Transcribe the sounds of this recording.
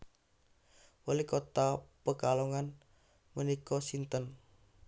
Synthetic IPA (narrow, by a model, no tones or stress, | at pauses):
wəlikot̪apəkaloŋan | mənikɔsint̪ən